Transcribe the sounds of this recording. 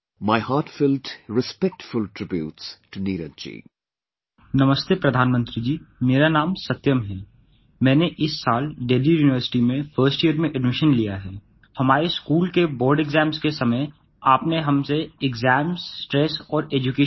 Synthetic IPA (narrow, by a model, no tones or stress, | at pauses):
maɪhaːʈfɪlʈɾɪspɛk̚ʈfʊlʈɾɪbjṵːtstuniːɾə̰̃nt͡ʃḭ | nɐməst̪epɾɐd̪ʱaːnmə̃nt̪ɾid͡ʒiːmeːɾanaːmsɐt̪jəmɦɛː | mɛ̃ːneʔɪsːaːlɖeːlijuːnɪʋəɾsɪ̥ʈimẽfʰəːɾsʈijəɾmẽʔɛɖmɪʃənlijaɦɛː | hɐmaːɾeskuːlkebɔːɾɖeɡzɛ̃ːmskesɐməj | aːpneɦɐmseɪɡzɛːmssʈɾɛːsɔːɾeːd͡ʒʊkeː